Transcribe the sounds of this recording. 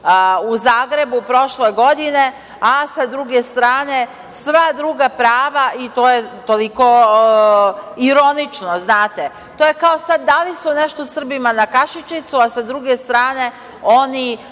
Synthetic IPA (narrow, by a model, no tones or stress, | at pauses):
uzaːɡɾe̞bupɾo̞ʃleɡo̞d̪ine̞ | asad̪ɾuɡe̞st̪ɾaːne̞ | sʋad̪ɾuːɡapɾaːʋaʔit̪ojet̪oliko̞ | iɾo̞nit͡ʃnoznaːt̪e | t̪oje̞kaosad̪ːalisuneʃt̪o̞sr̩bimanakaʃit͡ʃit̪suasad̪ɾuɡe̞st̪ɾaːne̞ | oni